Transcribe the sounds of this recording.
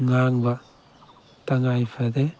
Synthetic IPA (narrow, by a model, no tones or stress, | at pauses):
ŋaŋba | taŋajpʰad̪e